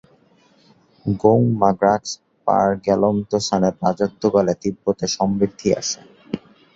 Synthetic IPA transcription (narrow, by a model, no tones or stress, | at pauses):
ɡoŋmaɡɾaʈs | pa̰ɾɡɛlomt̪osanepad͡ʑod̪ʱːoɡalet̪ibːot̪eʃɔmɾid̪ʱːia̰ʃʰḛ